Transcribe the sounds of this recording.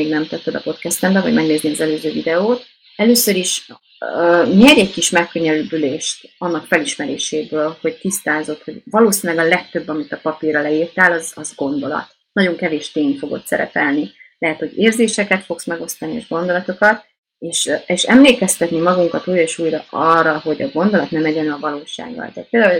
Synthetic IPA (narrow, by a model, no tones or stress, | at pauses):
eːɡnɛmt̪ɛt̪ːɛd̪ɒpo̞t̪kɛst̪ɛmbɛvɒ̰ɟmɛɡneːzniɒzɛløːzøːvid̪ɛoːt̪ | ɛløːsøɾiʃ | ɲɛɾɛɟkiʃmɛkːøɲɛlylbyleːʃt̪ɒnːɒkfɛliʃmɛɾḛːʃeːbøːlho̞ɟt̪ist̪aːzo̞t̪ho̞ɟvɒloːsinlɛɡɒlɛk̚t̪ø̞bːɒmit̪ɒpɒpiɾɒlɛiːrt̪alɒzɒzɡo̞nd̪o̞lɒ̰t̪ | nɒɟo̞ŋkɛveːʃt̪eːnfo̞ɡo̞̰t̪sɛ̰ɾɛ̰pɛlnilɛɦɛt̪ho̞ɟeːrzeːʃɛkɛt̪fo̞ksmɛɡo̞st̪ɒniḛʒɡo̞nd̪o̞lɒt̪o̞kɒt̪ | eːʃeːʃɛmleːkɛst̪ɛt̪nimɒɡuŋkɒt̪uːjɒeːʃuːjɾɒʔɒrːɒɦo̞ɟɒɡo̞nd̪o̞lɒt̪nɛmɛɟɛnɛlɒvɒloːʃa̰ːɡːɒ̰lt̪aːt̪̚peːld̪aːul